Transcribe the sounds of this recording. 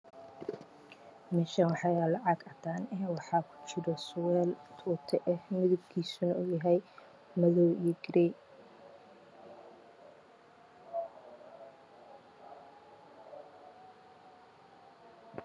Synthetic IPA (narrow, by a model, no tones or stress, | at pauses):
mɛʃɐwɑħɑjalɑʕɑɡɐt̪ʰaːnɛwɑħɑːkʰʊ̥t͡ʃɪɾɔswɛːlt̪ʰuːt̪ʰɛʔɛhmɪðʊb̚kʰiːsʊnɐuːjɐɦɛj | mɐðɔwijɛɡɾɛ